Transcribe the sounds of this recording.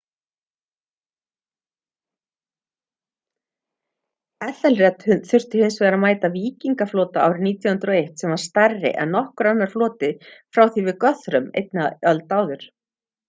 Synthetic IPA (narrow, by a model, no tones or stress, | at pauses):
ɛθɛlrɛt̪hʏnθʏr̥t̪ɪ̥hɪnsvɛːɣɾamaːjt̪aviːciŋkafloːt̪aaːwɾɪniːt̪jɔhʏnt̪ɾɔejht̪sɛmvaɾ̥st̪arɪ̰ʔɛ̰nːɔhkʏɾanːaɾ̥flɔːt̪ɪfɾawθivɪðkœθɾʏmḛjt̪naœlt̪aːwðʏɾ̥